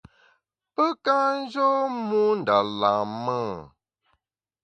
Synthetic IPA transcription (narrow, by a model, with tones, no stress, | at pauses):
pə˦ka˦n̩˦zo˦mũ˦n̩˨da˨lã˨mə˦